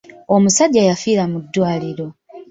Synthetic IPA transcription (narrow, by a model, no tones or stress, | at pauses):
omusaɟːajafiːɾamud̪ːwaːliɾo̞